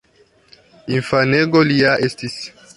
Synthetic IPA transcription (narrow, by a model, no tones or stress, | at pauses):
infaneɡoliaʔestis